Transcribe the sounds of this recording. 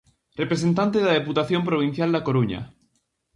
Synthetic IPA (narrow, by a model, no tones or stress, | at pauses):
repɾesent̪ant̪eðaðeput̪aθjo̞mpɾoβ̞ĩn̟θjald̪akoɾuɲa̰